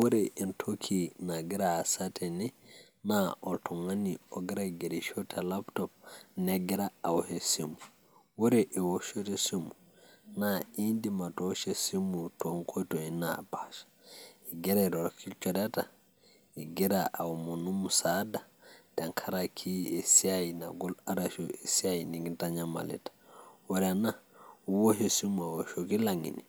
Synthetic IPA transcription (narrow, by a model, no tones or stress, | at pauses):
wɔɾɛʔintʰokʰinaɡɛɾaːsatɛnɛ | naʔɔtʰɔŋwaniɔɡɛɾaɡɛɾiʃɔtʰalaptɔp̚nɛɡɛɾaawhesimu | wɔɾɛʔɛwoʃɔtɛsimu | naindimatɔʃɛsimutɔŋkʰɔtɔinapaʃḁiɡɛɾaɾɔɾɔkʰilt͡ʃɔdata | iɡɛɾaʔawumunumusadad̥aŋkʰaɾakʰiesiajina̰ɡɔlaɾaʃoʔesiajiniɡntaɲama̰lɛ̰tḁwɔɾɛnawoɦesimuawoʃokilaŋḭni